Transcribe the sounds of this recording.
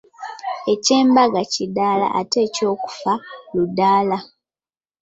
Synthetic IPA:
e̞ce̞ːmbaɡacidaːla̰ʔate̞ːco̞ːku̥faludːaːla

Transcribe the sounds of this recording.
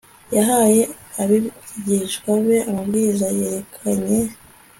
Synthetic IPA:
jaɦaje̞ | aβiɟiʃɡwaβe̞amabɡiːzajeɾekʰaɲe̞

